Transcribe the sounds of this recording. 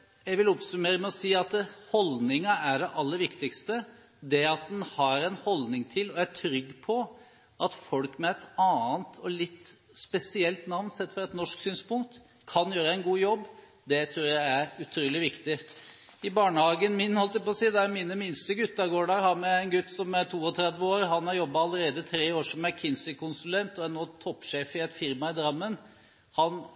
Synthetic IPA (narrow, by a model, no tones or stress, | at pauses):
jæɪʋɪlʊpsʉmeːɾəmɛɔsiːɑt̪hɔlnɪŋɑæɖɛʔɑlːəɾʋɪkt̪ɪkst̪ə | d̪ɛɑt̪̚d̪ɛnhɑɾɛnhɔld̪nɪŋt̪ʰɪlɔæʈʰɾʏɡːpʰɔ | ʔɑt̪fɔlkmɛɛt̪ɑːənt̪ʰɔlɪt̪ː | spɛsɪɛlt̪nɑʋnsɛt̪ːfɔɾɛt̪nɔʂksyːnspʊŋk̚t̪ | kʰːɑnjøːɾəɛɪnɡuːjɔbː | d̪ɛt̪ʰɾuːɾjæɪæɾʉt̪ʰɾuːlɪʋɪkt̪ɪ | ɪbɑːɳəhɑːɡənmɪnhɔlt̪d̪æpɔːsiːd̪ɛæɾmiːnəmɪnst̪əɡʉt̪ːəɾɡoːɖɑɾhɑɾmɛæɪnɡʉt̪ːsɔmæɾʈ̪ʰuːɔt̪ʰɾɛd̪ʋəoːɾɦɑnæɾjɔbːɑɑləɾeːd̪ət̪ʰɾeːoːʂɔm̩æɾkʰɪnsɪkʊnsʉlɛnt̪ɔæɾnoːt̪ʰɔpːʂeːfɪɛt̪fɪɾmɑɪd̪ɾɑmːən | hɑn